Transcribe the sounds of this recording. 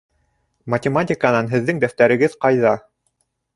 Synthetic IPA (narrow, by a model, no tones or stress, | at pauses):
mɐtʲɪmatʲɪkənɑnɦɘ̆ðːɘŋd̪æft̪æɾɘ̆ɡɘðqɑjðɑ